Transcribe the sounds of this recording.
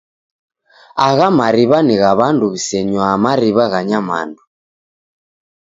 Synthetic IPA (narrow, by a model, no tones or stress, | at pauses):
aɣamaɾiβaniɣaβanduβisɛɲwamaɾiβaɣaɲama̰ndu